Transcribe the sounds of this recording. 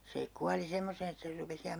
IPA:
se kuɑli semːoseːn etːæ ser rupes ihɑm

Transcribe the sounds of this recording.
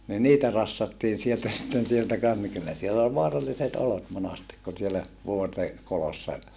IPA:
ni niːtæ rɑsːɑtːiːn̞ sieltæ sitːen sieltæ kɑns ni kylːæ sielːæ ol ʋoɑrɑlːiset olot monɑstik kun sielæ ʋuorte kolosːɑ

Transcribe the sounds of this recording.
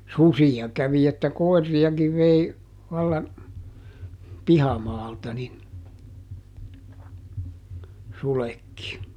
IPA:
susijɑ kæʋi etːæ koi̯rːiɑkiʋ ʋei ʋɑlːɑn pihɑmɑːltɑ nin sulekːi

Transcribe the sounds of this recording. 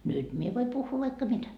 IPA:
nyt mie ʋoi puhːuː ʋɑikːɑ mitæ

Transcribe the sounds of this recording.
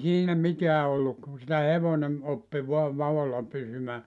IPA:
siːnæ miteæ olːuk ku sitæ heʋonem opːi ʋoɑ ʋɑʋolːɑ pysymæː

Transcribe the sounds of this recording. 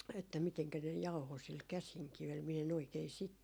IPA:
etːæ miteŋkæ ne jɑuho sil kæsiŋkiʋel miɛ en oikei sit

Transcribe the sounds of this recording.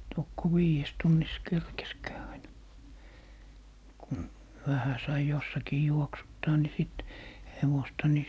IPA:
tokːo wiːjes tunːis kerkeskæː ɑinɑ kun ʋæhæ sɑi josːɑkiː juoksutːɑː ni siˑt heʋostɑ ni

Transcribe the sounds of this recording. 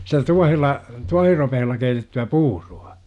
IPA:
sitæ tuɑhelːɑ tuɑhiropehelːɑ keitetːyæ puːruɑ̥

